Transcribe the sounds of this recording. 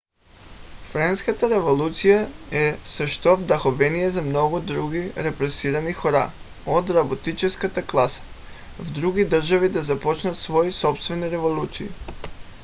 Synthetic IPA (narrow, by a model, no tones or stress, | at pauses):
fɾanskat̪aɾeʋolˠut̪sijaesaʃt̪ovd̪axoʋenijezamnoɡod̪ɾuɡiɾepɾesiɾanixoɾa̰ | od̪ɾabot̪it͡ʃeskat̪aklˠasḁ | vd̪ɾuɡid̪r̩ʒaʋid̪azapot͡ʃnat̪sʋo̞jisopst̪veniɾeʋolˠut̪siḭ